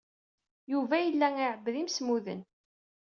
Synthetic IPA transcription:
juvæjəlːæŋɪʕəbːðimsmuðə̰n

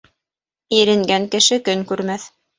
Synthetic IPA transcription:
iɾɘ̆ŋɡæŋkɘ̆ʃɘkɵŋkʉɾmæθ

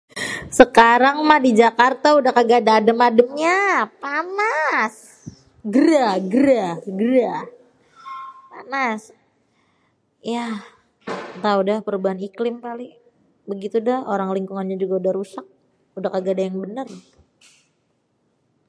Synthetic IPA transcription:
səkaɾaŋmahdid͡ʒakart̪audahkaɡadaːdəmadəmɲapanas | ɡəɾaɡəɾaɡəɾa | panas | ja | t̪audahpəɾubaɦaniklɪmkalɪ | bəɡit̪udahoɾaŋliŋkuŋanɲad͡ʒuɡaudahɾusak̚ | udahkaɡadajaŋbənər

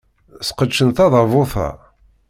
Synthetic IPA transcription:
sqət͡ʃːənt̪ɑðˤɑvʊθɑ̰

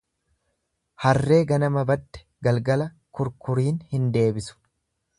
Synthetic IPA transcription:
hɐrːe̞ːɡɐnɐmɐbɐd̪ːɛ̥ɡɐlɡɐlɐ | kʊɾkʊɾiːnhɪnd̪e̞ːbɪsʊ̥

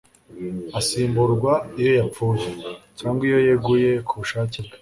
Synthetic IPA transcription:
asiːmbuɾɡwaijo̞jap͡fuːjecaːŋɡwijo̞jeɡuje̞kʰuβuʃaːcibɡe̥

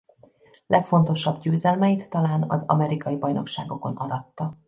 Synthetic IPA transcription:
lʔɛkfo̞nt̪o̞ʃɒbɟøːzɛlmɛit̪ːɒlaːnɒ̰zɒ̰mɛɾikɒjibɒjno̞̰kʃa̰ːɡo̞ko̞nʔɒɾɒt̪ːɒ

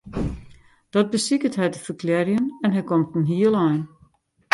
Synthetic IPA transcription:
d̥ɔt̚bəsikətɦɛjtəfərkʰlɛrjənɛnɦɛjkɔmtn̩ɦiəlˠɛjn

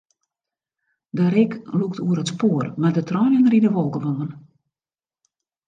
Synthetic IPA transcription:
dəɾɪkluktʰuəɾətspoːərmɛdətʰrɔːnənəɾidəʋɔlˠkəʋɔnən

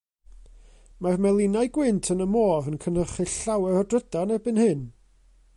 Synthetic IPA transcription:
marmɛlˠɪnajɡwɪntʰənəmoːvənkʰənəχɨɬawɛrɔdrədanɛbɨnhɨn

